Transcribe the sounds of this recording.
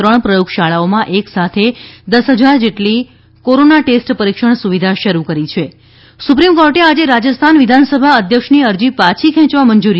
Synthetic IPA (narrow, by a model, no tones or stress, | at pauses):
ɾəɳpɾəjukʰʃaɭaomãʔeksat̪ʰed̪əsɦəd͡ʒaɾd͡ʒeʈli | koɾonaʈesʈpəɾikʃəɳ̃suʋid̪ʱaʃəɾukəɾit͡ʃʰe | supɾimkɔɾʈead͡ʒeɾad͡ʒəst̪ʰanʋid̪ʱansəbʱaəd̪ʱjəkʃniəɾd͡ʒipat͡ʃʰikʰɛ̃t͡ʃʋaməɲd͡ʒuɾi